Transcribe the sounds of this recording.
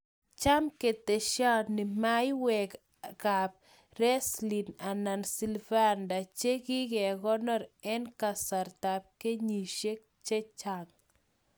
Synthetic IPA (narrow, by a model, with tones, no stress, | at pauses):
t͡ʃa˦mke˨t̪e˨ʃa˦nɪ˨ma˦jwɛ˨k | ka˨b̚ | ɾɛ˦sli˨na˨na˨nsi˨lva˦nda˨t͡ʃe˦ɡɪ˦ɡe˨ɡɔ˦nɔ˦ɾɛ˦nka˨sa˨ɾt̪a˨p̚ke˦ɲi˨ʃe˦k̚ | t͡ʃe˦t͡ʃa˨ŋ